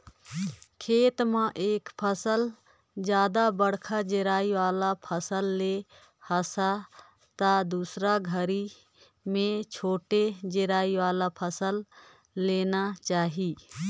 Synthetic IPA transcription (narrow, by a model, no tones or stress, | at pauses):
kʰeːt̪mãʔeːkpʰəsəl | d͡ʒjaːd̪abəɽkʰad͡ʒeɾaːiʋaːlapʰəsəlːe | həsa | t̪ad̪uːsɾaɡʱəɾi | mẽt͡ʃʰoːʈed͡ʒɪɾaːiwaːlapʰəsəlː | eːnat͡ʃaːɦiː